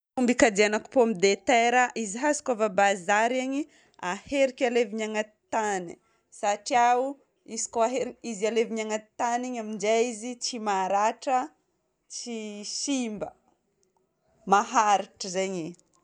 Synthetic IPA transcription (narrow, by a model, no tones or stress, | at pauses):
umbikad̪eanaku̥poamid̪et̪eɾaʔiziɦasi̥kavabazaɾaɲi | aheɾikʲaleviɲaŋat̪ani | saʈ͡ʂiau | izi̥koaɦeɾizialeviɲaŋat̪aniɲamind͡ʒaizit͡ʃimaɾaʈ͡ʂə | t͡ʃisimbə̰ | maɦaɾiʈ͡ʂəzeɲi